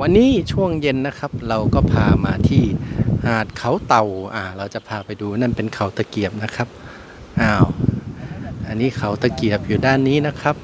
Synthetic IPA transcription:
wa˧nːiː˦˥˨t͡ɕʰu˥˩əŋje˧nːa˦˥kʰa˦˥p̚ɾa˧wkɔː˥˩pʰaː˧maː˧t̪ʰiː˥˩hãː˨˩t̪̚kʰa˧˥wt̪a˨˩wʔaː˧˩ɾa˧wt͡ɕa˨˩pʰaː˧pa˧jduː˧na˥˩npe˧nkʰa˨˩wt̪a˧ki˨˩əp̚na˦˥kʰa˦˥p̚ | ʔaː˧˩w | ʔa˧nːiː˦˥˩kʰa˧˩wt̪a˧ki˨˩əp̚juː˨˩daː˥˩nːiː˦˥na˦˥kʰa˦˥p̚

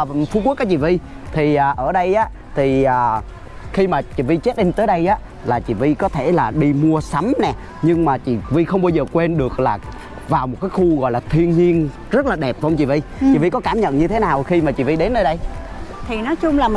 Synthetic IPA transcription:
fkək̚aː˨˦t͡ɕḭ˧˨vi˧ | t̪ʰi˨˩ʔaː˨˩ʔəː˧˩ɗə˧jʔaː˨˦˥ | t̪ʰi˨˩ʔəː˨˩ | xi˧maː˨˩t͡ɕḭ˧˩vi˧t͡ɕe˦˥t̚ɗï˧ŋt̪əː˨˦jɗə˧jʔaː˨˦˥ | laː˨˩t͡ɕḭ˧˨˩vi˧kɔ˨˦t̪ʰe˧˩laː˨˩ɗi˧mu˧əsa˨˦mnɛ˨˩ | ɲɨ˧ŋmaː˨˩t͡ɕḭ˧˨vi˧xə˧wŋ͡mɓa˧wzəː˨˩kwe˧nɗɨ˨˩ək̚laː˨˩ | vaː˨˩wmo˨˩kaː˨˦jxu˧ɣɔ̰˧˨jlaː˨˩t̪ʰi˧ənɲi˧ən | zə˦˥t̚laː˨˩ɗɛ˨˩p̚vɔ˧wŋ͡mt͡ɕḭ˧˩vi˧t͡ɕḭ˨vi˧kɔ˨˦kaː˧˩mɲə̰˧˨nɲɨ˧t̪ʰe˨˦naː˨˩wxi˧maː˨˩t͡ɕḭ˧˩vi˧ɗe˨˦nʔəː˧jɗə˧jt̪ʰi˨˩nɔ˨˦jt͡ɕʊ˧ŋ͡mlaː˨˩

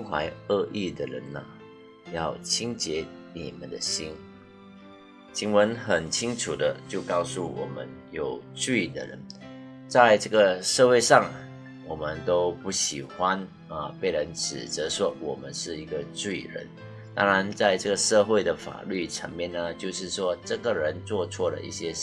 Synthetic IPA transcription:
i˥ŋxwa̰˧˥ɪə˥˧ʔi˥˩d̪ə˨˩ɻə̰˧˦nə˨ | jɑ˥˩ʊt͡ɕʰi˥ŋt͡ɕjɛ˧˥˦nḭ˨˩mə̰˨˦nd̪ə̰˨˦ɕi˥n | t͡ɕʰi˧˥ŋwə˧˥nxə˨˩nt͡ɕʰi˥ŋʈ͡ʂʰu˨˩d̪ə˦t͡ɕjo˥˩ʊkɑ˥˧ʊsu˥˩wɔ̰˨˩mə̰˦njo˨˩ʊʈ͡ʂi˥˩d̪ə̰˨ɻə̰˧˦n | t͡sa˥˧ɪʈ͡ʂɤ˥˩ɡə˩ʂɤ˥˧we˥˧ɪʂɑ˥˩ŋ | wɔ˨˩mə˦nt̪o˥ʊpu˥˩ɕi˨˩xwa˦n | ə˧pe˥˩ɪɻə˧˦˥nʈ͡ʂʰɻ̩˨˩t͡sə˧˥ʂwɔ˥wɔ˨˩mə˦nʂɻ̩˥˩i˧˥ɡə˧ʈ͡ʂi˥˩ɻə̰˧˥n | t̪ɑ̰˥ŋɻa˧˦nt͡sa˥˧ɪʈ͡ʂɡə˩ʂɤ˥˧xwe˥˩ɪd̪ə˩fa̰˨˩ly˥˩ʈ͡ʂʰə̰˧˥ŋmjɛ˥˨nːə˨t͡ɕjo˥˧ʊʂɻ̩˥˩ʂwɔ˥ʈ͡ʂɤ˥˩ɡə˨ɻə˧˦nt͡swɔ˥˧t͡sʰwɔ˥˩ɾə̰˨ʔḭ˥˩ɕjɛ˥

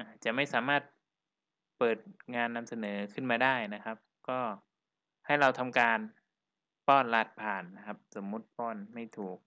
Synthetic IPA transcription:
ʔa˨˩t͡ɕa˨˩ʔma˥˩jsaː˩˦maː˥˩t̪̚ | pɤː˨˩t̪̚ŋaː˧nːa˧msa˧nɤː˩˦kʰɯ˥˩nmaː˧daː˥˩jna˦˥kʰa˦˥p̚kɔː˥˩ | ha˥˩jɾa˧wt̪ʰa˧mkaː˧n | pɔː˥˩nla˦˥˩t̪̚pʰaː˨˩nːa˦˥kʰa˦˥p̚so˩˦mːu˦˥t̪̚pɔː˥˩nma˥˩jt̪ʰuː˨˩k̚

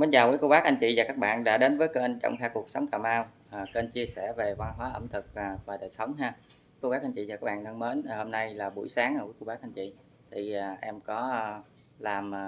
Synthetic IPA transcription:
me˨˦nzaː˨˩wṵ˧˨˦ko˧wɓaː˦˥k̚ʔa˧ŋ̟t͡ɕḭ˧˨zaː˨˩kaː˦˥k̚ɓa̰ː˧˨nɗa̰ː˧˥ɗe˨˦nvəː˨˦jke˧nt͡ɕɔ̰˧˨wŋ͡m̪ʰɛː˧ku˨˩ək̚sə˨˦wŋ͡mkaː˨˩mʔaː˧wː | ke˧nt͡ɕi˧əsɛ˧˩ve˨˩va˧nɦwaː˨˦ʔə̰˧˩mt̪ʰɨ˨˩k̚vːvaː˨˩ɗəː˨˩jsə˨˦wŋ͡mɦaː˧˦ | ko˧wɓaː˦k̚ʔa˧jɲt͡ɕḭ˧˨zaː˨˩kaː˦˥kɓa̰ː˧˨nt̪ʰə˧ŋme˨˦n˨˩ho˧mna˧jlaː˨˩ɓṵ˧˩əjsaː˨˦ŋʔaː˧˩ku˧˦ko˧wɓaː˦k̚ʔa˧ŋ̟t͡ɕḭ˧˨ | t̪ʰiː˨˩˨ʔɛ˧mkɔ˨˦˧ | laː˨˩mː˨˩

